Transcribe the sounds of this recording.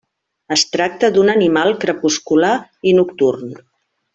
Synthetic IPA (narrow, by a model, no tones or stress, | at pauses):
əst̪ɾak̚t̪əd̪unənimalˠkɾəpuskulainukt̪urn